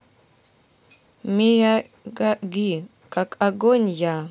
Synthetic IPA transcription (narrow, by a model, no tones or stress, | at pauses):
mija | ɡaɡi | kʼakʼaɡonja